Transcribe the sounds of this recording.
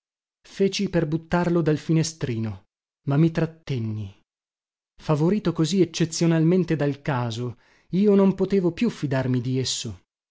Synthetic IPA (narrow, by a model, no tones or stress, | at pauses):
feːt͡ʃiperbut̪ːarlod̪alfinest̪ɾiːno | mamːit̪ɾat̪ːenːi | favoɾiːt̪okoziet͡ʃːet̪sːjonalment̪ed̪alkaːzo | iːonompot̪eːvopjufːid̪armid̪iesːo